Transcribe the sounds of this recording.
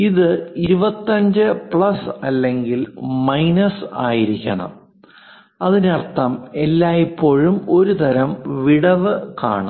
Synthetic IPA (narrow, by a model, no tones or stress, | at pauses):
iðɨiɾubɐt̪ːɐɲd͡ʑɨpɭɐsɐlːe̞ŋɡilmɐjnɐsa̰ːjiɾikʲːɐ̰ɳɐ̰m | ɐðinirt̪ːɐme̞lːaːjipːo̞ːɻumo̞ɾut̪ɐɾɐmʋiɽɐʋɨka̰ːɳɨ